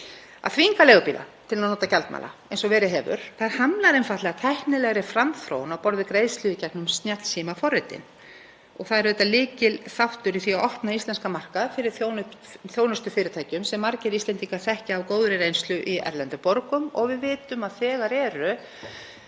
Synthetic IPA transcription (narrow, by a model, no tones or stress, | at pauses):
a̰ðθviŋkalɛːɣʏpiːla̰t̪ʰɪlnaðnoːt̪acalt̪ma̰ːla̰ejnsɔvɛːɾɪɦɛːvʏ̰ɾ̥θaðɾ̥hamlaɾejnfaht̪lɛɣat̪ʰɛhknɪlɛɣɾɪfɾamθɾo̰ːwnawpɔɾðɪkɾeːjslʏðɪcɛk̚nʏmst̪njat̪lsiːmafɔrːɪt̪ɪ̰n | ɔɣθaðɛɾðɛt̪ːalɪːcɪlθawht̪ʏɾiθiaɔhpnaist̪ɛnskamar̥kaðfɪɾɪɾθownθjoːwnʏst̪ʏfɪːɾɪt̪ʰaːjcʏmsɛmːaɾcɪɾist̪lɛnt̪iŋkaθɛhcaawkoːwðɾɪɾejnst̪lʏʔiɛ̰ɾlɛnt̪ʏpoɾkʏmɔɣvɪðvɪːt̪ʏmaðθɛːɣaɾɛːɾʏ